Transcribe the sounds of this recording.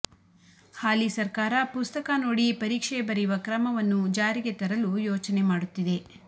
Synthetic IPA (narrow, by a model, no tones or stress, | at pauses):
haːlisɐɾkaːɾɐpust̪ɐkanoːɽipɐɾiːkʂɛjbɐɾiʋɐkɾɐmɐʋɐnːud͡ʒaːɾiɡe̞t̪ɐɾɐlujoːt͡ʃɐne̞maːɽut̪ːid̪e̞